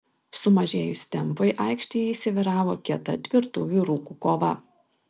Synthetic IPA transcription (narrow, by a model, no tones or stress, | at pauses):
sʊmɐʒʲeːjʊsʲt̪ʲɛmˑpɐɪʔɑˑɪkʃʲt̪ʲiːjɛiːsʲɪʋʲɪɾɑːʋoːkʲiɛt̪ɐt̪ʲʋʲɪɾt̪uːʋʲiɾuːkukoːʋɐ